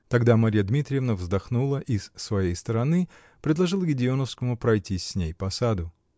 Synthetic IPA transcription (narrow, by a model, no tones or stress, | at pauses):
t̪ɐɡd̪amɐɾʲijəd̪mʲit̪ɾʲɪjɪvnəvzd̪ɐxnulˠəʔɪz̥svɐjejst̪əɾɐnɨ | pɾʲɪd̪lˠɐʐɨlˠɡʲɪdʲɪonəfskəmʊpɾɐjtʲinʲejpɐsad̪ʊ